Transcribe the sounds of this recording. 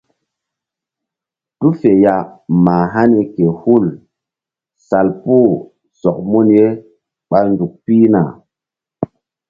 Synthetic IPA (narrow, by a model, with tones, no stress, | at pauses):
tu˦fe˨ja˨maː˨ɦa˦ni˨ke˨hu˦˨l | sa˨lpu˦˨ | sɔ˨k̚mu˦nje˦ | ɓa˨ndu˨k̚piː˦na˨